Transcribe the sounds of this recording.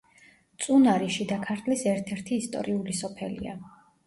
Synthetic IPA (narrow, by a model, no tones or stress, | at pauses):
t̪sʼunaɾiʃid̪akʰaɾt̪ʰlisɛɾt̪ʰɛɾt̪ʰiːst̪ʼɔ̰ɾiulisɔpʰɛlḭa̰